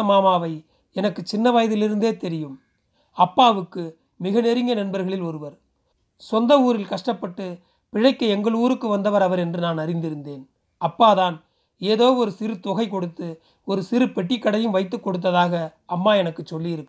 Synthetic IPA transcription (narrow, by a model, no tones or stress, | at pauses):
ɐmaːmaːʋɐɪ | ɛnɐkːɯt͡ʃːɪnːɐʋaːjɐðɪlɪɾɯnd̪eːt̪ɛɾɪjɯm | ɐpːaːʋɯkːɯ | mɪɣɐnɛɾɪŋɡɐnɐnbɐɾɣɐɭɪlɔɾɯʋɐɾ | sɔnd̪ɐuːɾɪlkɐʂʈɐpːɐʈːɯ | pɪɻɐɪkːɐɛŋɡɐɭuːɾɯkːɯʋɐnd̪ɐʋɐɾɐʋɐɾɛndrɯnaːnɐɾɪnd̪ɪɾɯnd̪eːn | ɐpːaːðaːn | eːðoːɔɾɯsɪɾɯt̪ɔɣɐɪkɔɽɯt̪ːɯ | ɔɾɯsɪɾɯpɛʈːɪkːɐɽɐjɯmʋɐɪt̪̬ːɯkːɔɽɯt̪̬ːɐðaːɣɐːmːaːɛnɐkːɯt͡ʃːɔlːijɪɾɯkː